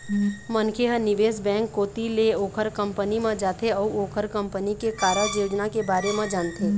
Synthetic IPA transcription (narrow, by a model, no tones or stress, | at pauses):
mənkʰeɦə̃nɪʋeːsbɛ̃ːŋkːoːt̪ileoːkʰəɾkə̃mpənimãd͡ʒaːt̪ʰeɔːoːkʰəɾkɐ̃mpənikekaːɾad͡ʒjoːd͡ʒnakebaːɾemãd͡ʒaːnt̪ʰeː